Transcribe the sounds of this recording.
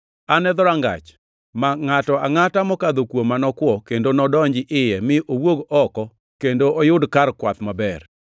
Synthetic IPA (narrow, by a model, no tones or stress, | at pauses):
anɛd̪ɔɾaŋɡa̰t͡ʃ | maŋatɔaŋatamɔkad̪okwomːanɔkwɔkendonɔdɔɲd͡ʒɪʔɪjɛmɪʔowoɡɔkɔ | kendoʔojʊdkarkwat̪mabɛr